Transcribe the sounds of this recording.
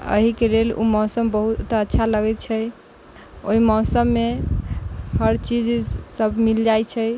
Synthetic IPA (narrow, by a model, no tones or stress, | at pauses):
ə̰ɦikelelṵmɔːsəmbəɦut̪ətːʃʰaləɡɛt̪̚t͡ʃʰəj | o̰ɦimɔːsəmːe | həɾt͡ʃid͡ʒsəbʱmild͡ʒajt͡ʃʰəj